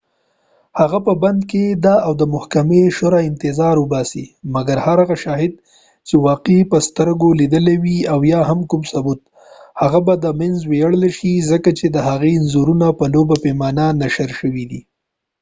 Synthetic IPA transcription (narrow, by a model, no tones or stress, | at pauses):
haɣapəband̪ked̪aawd̪əmʊhkameʃoɾaɪnt̪ɪzɑɾʊbɑsimaɡaɾhaɾaɣaʃɑɦɪd̪̚ | t͡ʃewɑqepəst̪əɾɡolid̪əlewiawjɑɦamkumsabut̪̚ | haɣabad̪əmɪnzwejaɽlaʃizəkat͡ʃed̪əɦaɣenzuɾunapəlobapemɑnanaʃəɾʃəwid̪i